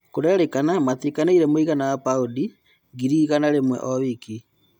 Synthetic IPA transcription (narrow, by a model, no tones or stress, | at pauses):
koɾɛɾekanamaθikanaiɾɛmoiɣanawapaudi | ɡiɾiɣanaɾemwɛ̰ʔɔβiki